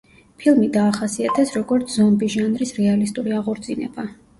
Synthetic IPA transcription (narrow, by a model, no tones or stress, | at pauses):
pʰilˠmid̪aːχasiat̪ʰɛsɾɔɡɔɾt̪sʰzɔmbiʒanɾisɾɛalist̪ʼuɾiaʁɔɾd̪zinɛ̰ba